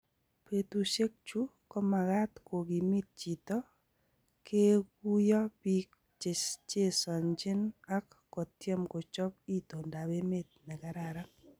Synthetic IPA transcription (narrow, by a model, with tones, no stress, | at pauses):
pe˨tu˨ʃe˦k̚t͡ʃu˦ | kɔ˦ma˨ɣa˦tkʰo˨ɡi˨mi˦t̚t͡ʃi˨tɔ˦ | kʰe˦ku˦jɔ˦pi˦k | t͡ʃɪ˨st͡ʃe˦sɔ˨ɲd͡ʒɪ˦na˦kːɔ˨tjɛ˦mko˨t͡ʃɔ˦p̚i˦to˨nda˨be˦me˦t̚nɛ˨ka˨ɾa˨ɾa˦